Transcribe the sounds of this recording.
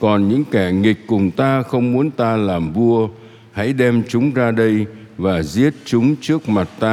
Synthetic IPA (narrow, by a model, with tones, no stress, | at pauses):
kɔ˨˩nɲɨ̰˧˥ŋkɛ˧˩ŋï˨˩k̟̚kʊ˨˩ŋ͡mt̪aː˧xə˧wŋ͡mmu˨˦ənt̪aː˧laː˨˩mvu˧ə | ha̰˧˥jɗɛ˧mt͡ɕʊ˨˦ŋ͡mzaː˧ɗə˧j | vaː˨˩zi˦˥ət̚t͡ɕʊ˨˦ŋ͡mt͡ɕɨ˦˥ək̚ma˨˩t̚t̪aː˧